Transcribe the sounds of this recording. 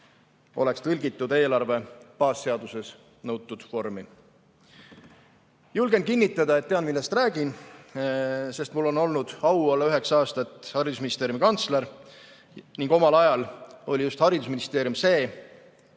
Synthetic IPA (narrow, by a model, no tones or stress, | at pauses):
o̞le̞kst̪ɤlʲɡit̪ːˑud̪̥e̞ːlɑrve̞pɑːsːe̞ɑd̪̥use̞s | nɤwt̪ːˑud̪̥fo̞rmi | julɡ̥e̞n̚kinːit̪ːˑɑd̪̥ɑe̞t̪̚ːe̞ɑnmilːe̞st̪ræːɡin | se̞st̪mulːo̞no̞lnud̪̥ɑwɑlːeyɦe̞ksɑːst̪ɑt̪ːˑhɑɾid̪usminist̪eɾjumikɑnt̪sleɾ | niŋɡ̥o̞mɑlɑjɑlo̞lʲijust̪hɑɾid̪us̬minist̪eːɾjumse̞ː